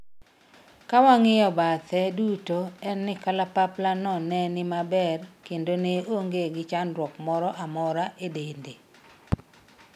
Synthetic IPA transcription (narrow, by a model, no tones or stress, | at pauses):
kawaŋɪjɔbat̪ʰɛdutoɛnːɪkalapaplanɔnɛnɪmabɛrkendoneoŋɡeɡɪt͡ʃanɾwɔkmɔɾɔʔamɔɾaʔedende